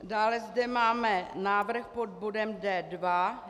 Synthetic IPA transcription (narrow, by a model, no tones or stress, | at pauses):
daːlɛzdɛmaːmɛnaːvr̩xpo̞d̚bodɛmdɛːdva